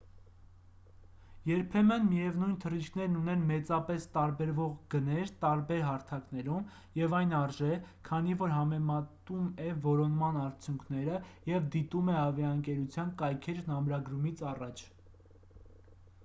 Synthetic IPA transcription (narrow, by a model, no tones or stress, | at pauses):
jɛɾpʰɛmənmijɛvnujnt̪ʰərit͡ʃkʰnɛɾnunɛnmɛt͡sɑpɛst̪ɑɾbɛɾvɔʁɡənɛɾt̪ɑɾbɛɾɦɑɾt̪ʰɑknɛɾum | jɛvɑjnɑɾʒɛkʰɑn̪ivɔɾɦɑmɛmɑt̪umɛvɔɾɔnmɑnɑɾt͡sʰjuŋkʰnɛɾəjɛvd̪it̪umɛɑvjɑəŋkɛɾut͡sʰjɑnkɑjkʰɛɾnɑmɾɑɡɾumit͡sʰɑrɑt͡ʃʰ